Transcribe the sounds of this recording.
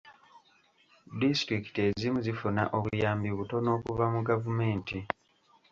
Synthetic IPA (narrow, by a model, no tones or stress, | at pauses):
distɾiki̥te̞zimuzifuna̰ʔo̞βuujaːmbiβuto̞no̞ːkuvamuɡavume̞ːnti